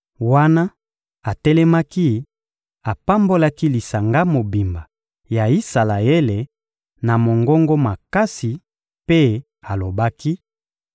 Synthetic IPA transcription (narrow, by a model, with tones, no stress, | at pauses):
wa˦na˦ | a˨tɛ˦lɛ˦ma˦ki˦ | a˨pa˦mbo˦la˦ki˦li˨sa˨ŋɡa˦mo˨bi˨mba˨ | ja˨i˦sa˨la˨e˦le˨ | na˨mo˨ŋɡɔ˦ŋɡo˦ma˨ka˦si˨ | pe˦ | a˨lo˨ba˦ki˦